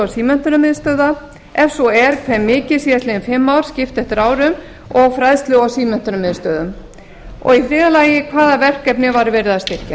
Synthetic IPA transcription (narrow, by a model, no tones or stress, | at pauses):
awsiːmɛn̥t̪ʏɾʏmɪðst̪œːða | ɛfsɔɛɾkʰvɛmːɪːcɪ̥siːðast̪lɪɪnfɪmːawɾ̥scɪft̪ɛht̪ɪɾaːwɾʏm | ɔɣfɾajðst̪lʏawsiːmɛn̥t̪ʏɾʏmɪðst̪œːðʏm | ɔ̰ɣifɾɪːðalaːjɪkʰvaːðavɛr̥kːɛpnɪvaɾvɛːɾʏðast̪ɪr̥ca